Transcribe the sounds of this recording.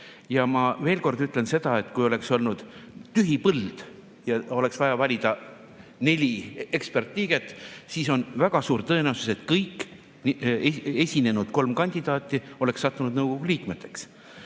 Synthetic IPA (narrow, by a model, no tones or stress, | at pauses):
jɑmɑve̞ːlko̞rd̪yt̪ːˑle̞nse̞d̪̥ɑe̞t̪ːˑkujo̞le̞kso̞lnud̪̥t̪yɦipɤld̪̥ | jɑo̞le̞ksvɑjɑvɑlʲid̪̥ɑ | ne̞lʲiekspert̪ˑliːɡ̥e̞t̪ːˑsiso̞nvæɡ̥ɑsuːɾt̪ɤ̞enewsuse̞t̪kɤjkː | ee̞sʲine̞nud̪̥ko̞lmkɑnʲd̪id̪̥ɑːt̪ʲːˑio̞leksːɑt̪ːunud̪nɤwɡ̥o̞ɡ̥uliːkme̞t̪ːˑe̞̥ks